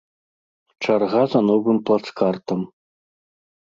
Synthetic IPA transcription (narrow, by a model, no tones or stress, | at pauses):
t͡ʂarʁazɐnɔvɨmplˠat̪skart̪ɐm